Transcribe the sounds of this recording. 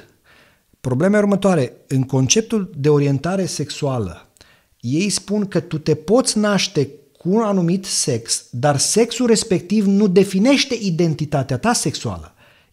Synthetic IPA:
pɾo̞ble̞me̞urmət̪oaɾe̞ɨŋko̞nt͡ʃe̞p̚t̪uld̪e̞o̞ɾie̞nt̪aɾe̞se̞ksualə̰ | je̞jspunkət̪ut̪e̞po̞t̪sʲnaʃt̪e̞kʰunanumit̪se̞ksd̪arse̞ksulre̞spe̞k̚t̪ivnud̪e̞fine̞ʃt̪e̞ʔid̪e̞nt̪it̪at̪eat̪ase̞ksua̰lə

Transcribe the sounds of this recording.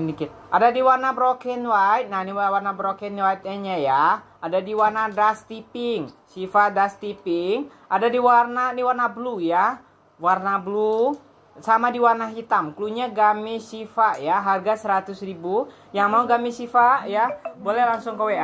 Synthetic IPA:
nikit̪̚ʔadadiwarnabɾokɛnwait̪̚nahniwawarnabɾokɛnwait̪̚aɲaja | adadiwarnadast̪ipɪŋsifadast̪ipɪŋʔadadiwarnaniwarnabluja | warnablu | samadiwarnaɦit̪amkluɲaɡamisifaʔjaɦarɡasəɾat̪ʊsribu | jaŋmauɡamisifaʔjabolɛhlaŋsʊŋkəwe

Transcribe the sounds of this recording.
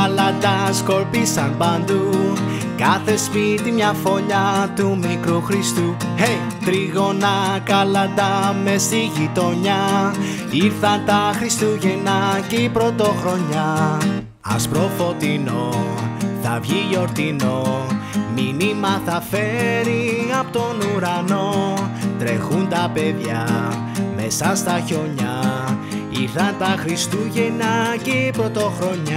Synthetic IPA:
ɐlɐnd̪ɐsko̞ɾpisɐnpɐnd̪u | kɐθe̞spit̪imɲɐfo̞ʎɐt̪umikɾuxɾist̪uej | t̪ɾiɣo̞nɐkɐlɐnd̪ɐme̞st̪iʝit̪o̞ɲɐ | iɾθɐnt̪ɐxɾist̪uʝenɐcepɾo̞t̪o̞xɾo̞ɲɐ | ɐ̰spɾo̞fo̞t̪ino̞ | θɐvʝiʝo̞ɾt̪ino̞ | minimɐθɐfe̞ɾiɐpot̪o̞nuɾɐno̞t̪ɾe̞xunt̪ɐpeðʝɐ | me̞sɐst̪ɐço̞ɲɐ | iɾθɐnt̪ɐxɾist̪uʝenɐcepɾo̞t̪o̞xɾo̞ɲɐ

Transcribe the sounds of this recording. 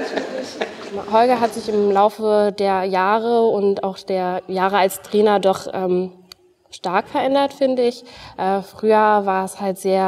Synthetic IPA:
hɔlɡɐɦatz̥ɪçɪmlaʊfədeːɐjaːʁəʊntaʊxχd̥eːɐjaːʁəalstʁ̥ɛːnɐdɔχʔɛːm | ʃtaɐkfɛɐʔɛndɐtfɪndəɪçʔɛːfʁ̥yːɐvaːɐɛshaltz̥eːɐ

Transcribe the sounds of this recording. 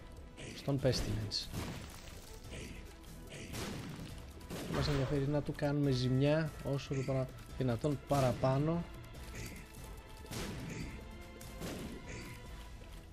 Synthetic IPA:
st̪o̞mpe̞st̪ilens | θɐmɐs̬e̞nðiɐfe̞ɾinɐt̪ukɐnume̞zimɲɐo̞soðipoɐ | ðinɐt̪o̞npɐɾɐpɐno̞

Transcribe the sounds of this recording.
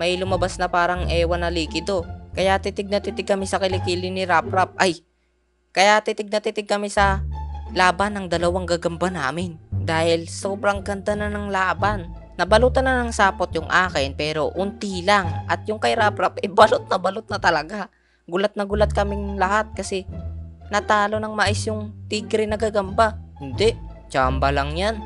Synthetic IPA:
mɐjlʊmɐbasnɐpaːɾɐŋʔɛːwɐnɐliːkɪd̪okɐjat̪ɪt̪ɪɡ̚nɐt̪ɪt̪ɪɡ̚kɐmɪsɐkɪlɪkiːlɪnɪɾaːpɾap̚ʔɐj | kɐjat̪ɪt̪ɪɡ̚nɐt̪ɪt̪ɪɡ̚kɐmɪsɐlaːbɐnɐŋd̪ɐlɐwaŋɡaɡɐmbana̰ːmɪnd̪aːhɪlsoːbɾɐŋɡɐnd̪anɐnɐŋlaːbanː | ɐbɐluːt̪ɐnɐnɐŋsaːpot̪̚jʊŋʔaːkɪnpɛːɾo̞ʔʊnt̪ilaŋʔɐt̪̚jʊŋkɐɪɾapɾapʔɛbɐlot̪̚nɐbɐlot̪̚nɐt̪ɐlɐɡa | ɡʊlat̪̚nɐɡʊlat̪̚kɐmɪŋlɐhat̪̚kɐsɛnɐt̪aːlo̞nɐŋmɐʔɪsjʊŋt̪iɡɾɛnɐɡaɡɐmbahɪnd̪ɛʔ | t͡ʃaːmbalɐŋjan

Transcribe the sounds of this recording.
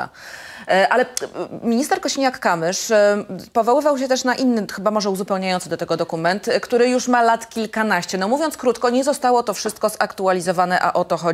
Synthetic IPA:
a̰ | ʔalɛmʲiɲist̪ɛɾkɔɕiɲakːamɘʂ | pɔvɔwɘvawɕ̬ɛt̪ɛʂnaʔinːɘxɘbamɔʐɛuzupɛwɲajɔnsd̪ɔt̪ɛɡɔd̪ɔkumɛnt̪kt̪uɾɘjuʂmalat̪kʲilkanaɕt͡ɕɛnɔmuvʲjɔnt̪skɾut̪kɔɲɛzɔst̪awɔt̪ɔfʂɘst̪̚kɔzakt̪ualʲizɔvanɛʔa̰ʔɔt̪ɔxɔ

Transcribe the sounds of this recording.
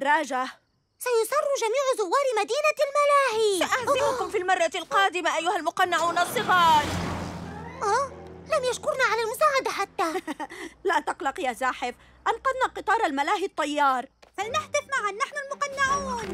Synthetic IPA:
rˤːɑːd͡ʒah | sajʊsˤɑrˤːuʒamiːʕʊzʊwːɑːɾˤmad̪iːnalmalaːhiʔazʔɪmʊkʊmfiːlmɑrˤːɑlqɑːd̪ɪmaʔajːʊhalmʊqɑnːɪʕuːnʔɑsˤːɨɣɑːɾˤ | ʔaːlamjaʃkʊɾnaʕalalmʊsaːʕad̪aħat̪ːaː | laːt̪ɑqlɑqjaːzaːħɪf | ʔɑnqɑd̪naqɨt̪ˤɑːɾˤalmalaːɦit̪ˤːɑjːɑːɾˤfalnaħd̪ɪfmaʕanːaħnʊlmʊqɑnːaʕuːn

